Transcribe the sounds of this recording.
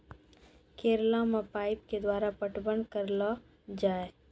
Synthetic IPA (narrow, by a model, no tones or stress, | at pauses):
keːɾlamapaːɪp̚ked̪waːɾapəʈbənkəɾla | d͡ʒaːe